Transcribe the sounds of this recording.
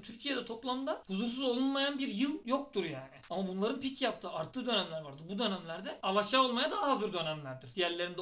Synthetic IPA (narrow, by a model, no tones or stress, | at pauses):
t̪ʰyɾcʰijed̪ɛt̪ʰo̞plˠamnd̪ahuzuɾs̬uzo̞lˠunmajanbiɾjɯlˠjo̞k̚t̪ʰuɾjaːnɪamabunlˠaɾɯnpʰicjap̚t̪ʰɯːaɾt̪ʰɯːd̪ø̞næmlʲæɾvaɾd̪ɯɾbud̪ø̞næmlʲæɾd̪ɛalˠaʃao̞lˠmajad̪aɦaːzɯɾd̪ø̞næmlʲæɾd̪iɾ̥jæɾlʲe̞ɾind̪